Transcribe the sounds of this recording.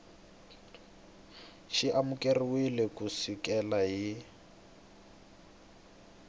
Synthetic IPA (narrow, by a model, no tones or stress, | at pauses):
ʃiʔamukʼeriwilekʼusikʼɛlaɦi